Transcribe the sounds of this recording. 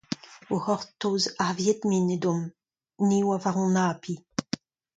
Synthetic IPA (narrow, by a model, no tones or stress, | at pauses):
ohɔʁt̪ːoːzaʁvjet̪nined̪ɔm | niwavaʁɔ̃naːpʰi